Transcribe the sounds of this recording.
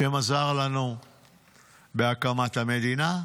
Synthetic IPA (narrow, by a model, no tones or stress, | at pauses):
emazaʁlanu | beakamat̪hame̞d̪ina